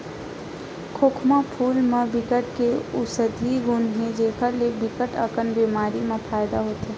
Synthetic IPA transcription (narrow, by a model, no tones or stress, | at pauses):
kʰoːkʰmapʰuːlmẽbɪkəʈkeʊsəd̪ʱiɡʊnɦẽd͡ʒeːkʰəɾlebɪkəʈəkənbeːmaːɾimẽpʰaːjd̪aɦoːt̪eː